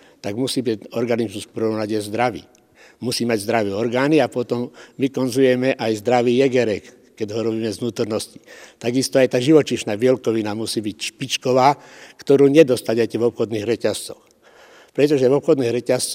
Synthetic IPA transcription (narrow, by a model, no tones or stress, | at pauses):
t̪aɡmusiːbicɔɾɡanizmuspɾɔnaɟɛzd̪ɾaʋḭː | musiːmaɟzd̪ɾaʋiɛɔɾɡaːniapɔt̪ɔmʋikɔnzujɛmɛʔajzd̪ɾaʋiːjɛɡɛɾɛkː | ɛɟɦɔɾɔbiːmɛznuːt̪ɔɾnɔsci̥t̪aɡist̪ɔajt̪aːʒiʋɔt͡ʃiʃnaːʋɪɛlkɔʋinamusiːbicʃpit͡ʃkɔʋaː | kt̪ɔɾuːɲɛd̪ɔst̪aɟɛcɛvɔpxɔd̪niːɣɾɛcast͡sɔx | pɾɛt̪̬ɔʒɛʋɔpxɔd̪niːɣɾɛcast͡s